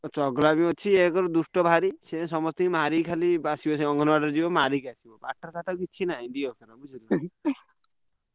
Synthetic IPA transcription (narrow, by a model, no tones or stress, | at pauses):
t͡ʃɔɡlamiot͡ʃʰiekɔɾɔd̪usʈɔbʱaɾisẽsɔmɔst̪iimaɾikʰalibasibɔseɔŋɡʱɔnɔbaʈɔɾd͡ʒibɔmaɾikasibɔbaʈʰːasaʈakit͡ʃʰinaĩɖiɔkʰanabud͡ʒʰʱil